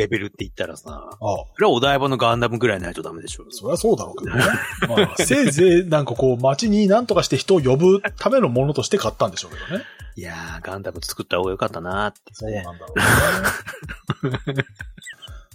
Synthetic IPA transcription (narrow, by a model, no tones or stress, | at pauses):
ɾe̞be̞ɾɯ̟t̪ːeit̪ːaɾa̰sa̰asoɾeao̞d̪aibano̞ɡãnd̪amɯ̟ɡɯ̟ɾainait̪od̪ame̞d̪e̞ɕoso̞ɾe̞βaso̞ːd̪aɾo̞ːke̞d̪onnemaːse̞ːze̞ːnãŋkako̞ːmat͡ɕiɲ̟inãnt̪o̞kaɕi̥t̪eçi̥t̪o̞ːjo̞bɯ̟t̪ʰame̞no̞mõ̞no̞t̪o̞ɕi̥t̪e̞kat̪ːãnd̪e̞ɕo̞ːke̞d̪o̞ne̞ijaɡãnd̪amɯ̟t͡sɨ̥kɯ̟t̪ːaho̞ːɡajo̞kat̪ːanat̪ːesoːnãnd̪aɾo